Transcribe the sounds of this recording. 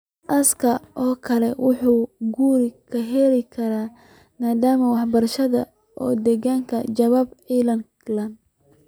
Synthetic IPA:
ʔɐskʰɐʔɔːkʰɐlɛwʊħuːɡuːɾɪkʰɐɦɛlɪkʰɐɾaː | maːd̪aːmɐwɑħbɐrʃɐðɐ | ʔɔːd̪ɛɣaːŋkʰɐt͡ʃɐβaːbʕilɐn | lɐnd̪

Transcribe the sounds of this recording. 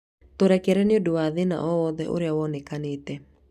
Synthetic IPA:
toɾɛkɛɾɛneodowaðena̰ʔɔwɔðɛʔo̰ɾeawɔnɛkaneːtɛ

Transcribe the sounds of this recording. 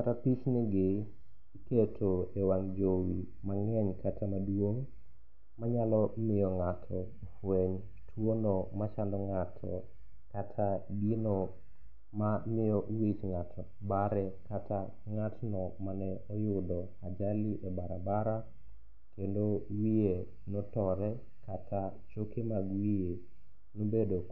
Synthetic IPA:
aɾapit͡ʃnɪɡɪ | iketʰoewaŋd͡ʒowi | maŋɛɲkatʰamadwoŋ | maɲalɔmɪjɔŋatʰɔ | fweɲ | tʰwonɔmat͡ʃandɔŋatʰɔ̰ | katʰaɡino | mamɪjɔʔwit͡ʃŋatʰɔ | baɾɛkatʰa | ŋatnɔmanɛɔjʊdɔ | ad͡ʒalɪʔɛbaɾabaɾa | kendowije | notɔɾɛ | katʰa | t͡ʃokemaɡwije | nobedo

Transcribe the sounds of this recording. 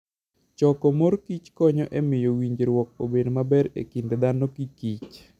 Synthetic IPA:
t͡ʃɔkɔmoɾkit͡ʃkɔɲɔʔemɪjowiɲd͡ʒɾwɔk̚obedmabɛɾḛkinded̪anokikit͡ʃ

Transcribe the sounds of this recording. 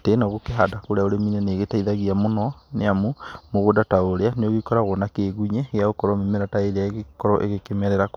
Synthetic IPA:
teːnɔɣokeɦadakoɾeaoɾeminɛneɣetaiðaɣiamonɔneamumoɣodataoɾeaneoɣikɔɾaɣɔnakeːɣuɲɛɣeaokɔɾɔmemeɾataeɾeaeɣekɔɾɔʔeɣekemɛɾɛɾak

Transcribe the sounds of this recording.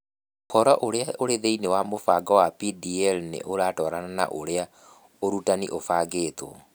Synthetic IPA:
kɔɾɔʔoɾeaoɾeðeinewamofaɡɔwapidiɛlnḛʔoɾaːtɔɾanana̰ʔoɾea | oɾutaniʔofaːɡeːto̰

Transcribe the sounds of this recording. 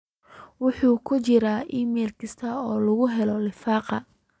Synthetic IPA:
wʊħuːkʰʊt͡ʃɪɾaːʔiːmɛːlkʰɐst̪ʰɐɔːlɐɣʊɦɛlɔlɪfɑːqɑ

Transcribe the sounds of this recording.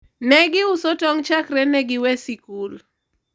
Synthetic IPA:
nɛɡɪʊsɔtɔŋt͡ʃakɾɛnɛɡɪwɛsikul

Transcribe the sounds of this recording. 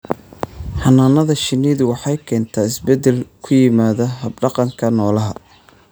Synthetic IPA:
ħɑnaːnɐðɐʃɪniðʊwɑħɑjkʰɛːnt̪ʰaːɪsbɛd̪ɛlkʰʊjɪmaːðɐɦɐb̚ɖɑqɑŋkʰɐnɔːlɐɦɐ

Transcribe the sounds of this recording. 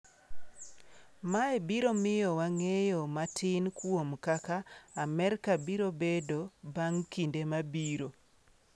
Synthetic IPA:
maebiɾomɪjɔwaŋejomatʰɪnkwomkakaːmɛrkabiɾobedobaŋkindemabiɾo

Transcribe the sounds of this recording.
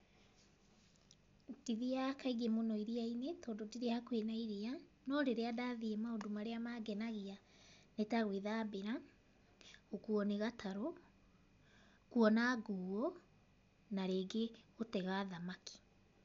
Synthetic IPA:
d̥iðeakaiɣemonɔiɾiainetɔːndodiɾeakwenaiɾea | nɔɾeɾeadaðiemaodomaɾeamaɡɛnaɣea | netaɣweðabeɾa | okuɔneɣatʰaɾɔ | kuɔnaɡuːɔ | naɾeːɡeotɛɣaːðamaki̥

